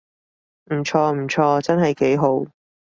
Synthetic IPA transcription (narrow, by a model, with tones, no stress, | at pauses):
m̩˨˩t͡ʃʰɔː˧m̩˨˩t͡ʃʰɔː˧t͡sɐ˥nɦɐ˨jke˨˥jɦo˨˥w